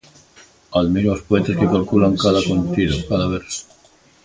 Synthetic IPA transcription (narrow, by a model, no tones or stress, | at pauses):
aðmiɾaospoet̪eskekalkulaŋkaðakont̪iðokaðaβeɾs